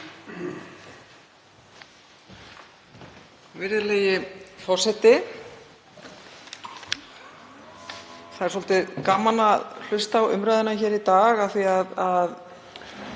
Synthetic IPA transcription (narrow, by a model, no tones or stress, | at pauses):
vɪɾðɪleːjɪfɔr̥sɛht̪ɪ | θaðɛɾsɔlt̪ɪðkamanaðl̥ʏst̪awʏ̰mɾajðɪnaçɛːɾit̪aːɣaðθiaðað